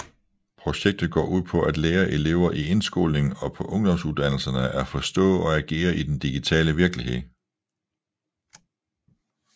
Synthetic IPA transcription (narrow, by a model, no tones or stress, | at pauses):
pʰʁo̝ɕeɡ̥̚d̥ð̩ˠɡ̥ɒ̰ːʔuð̞̰ˠpʰɒ̽ʔæd̥leːɐʔe̝le̝ʊ̰ɐʔie̝nsɡ̥o̝̰ːlne̝ŋn̩ɒ̽pʰɒ̽ʔɔ̽ŋd̥ɒ̽msuðˠd̥æn̰l̩sɐnəʔæɐfɒ̽sd̥ɔ̰̽ːɒ̽æɡ̥e̝̰ːɐʔid̥end̥iɡ̥it͡sʰɛ̰ːləʋiɐɡ̥lihe̝ð̞̰ˠ